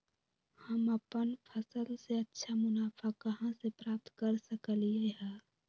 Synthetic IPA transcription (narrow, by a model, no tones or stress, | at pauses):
hɐmɐpənfʰɐsəlseɐtːʃʰamʊnaːfakɐɦãsepɾaːp̚t̪kɐɾsəkəlieɦɛ̃ː